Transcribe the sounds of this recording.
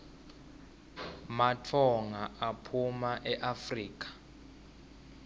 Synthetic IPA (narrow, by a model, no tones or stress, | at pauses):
matʰɔŋaʔapʰumaʔɛʔafriːk̬ʼḁ